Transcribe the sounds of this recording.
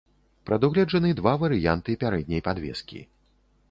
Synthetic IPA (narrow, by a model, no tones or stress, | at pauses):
pɾɐd̪uɣlʲɛd͡ʐɐnɨd̪vavɐɾɨjant̪ɨpʲaɾɛd̪̚ʲnʲɐjpad̪vʲɛ̰skʲḭ